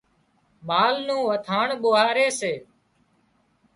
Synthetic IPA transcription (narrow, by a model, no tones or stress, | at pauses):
ɓaːlnũːʋət̪ʰaːɳɓʊɦaːɾeːseː